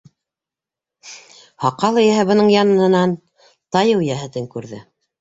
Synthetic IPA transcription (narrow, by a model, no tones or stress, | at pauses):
hɑqɑlˠɤ̆jæɦɘbɤ̆nɤɴjɑnɤ̆nɤ̆nɑn | t̪ɑjɤwjæɦɘ̆t̪ɘŋkʉɾðɘ̰